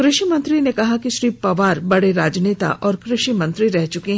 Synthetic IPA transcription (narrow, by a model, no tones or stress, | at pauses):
kɾɪʃimɐ̃nt̪ɾinekɐɦakiʃɾiːpɐʋaːɾbɐɽeɾaːd͡ʒneːt̪a̰ʔɔːɾkɾɪʃimɐ̃nt̪ɾiɾɛɦt͡ʃʊkeɦ